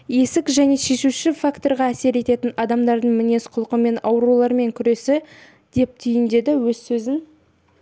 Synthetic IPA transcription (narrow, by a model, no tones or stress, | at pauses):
je̞sɪkʒæne̞ʃe̞ʃuʃɪfakt̪o̞ɾʁɑæse̞ɾe̞t̪e̞t̪ɪnɑd̪ɑmd̪ɑɾd̪əɴmɪne̞sqʰʊlˠqəme̞nɑwɾulˠɑɾme̞ŋkʲʰʏɾe̞sɪ | d̪̥e̞p̚t̪ʰʏjɪnd̪e̞d̪ɪwɵzsɵzɪn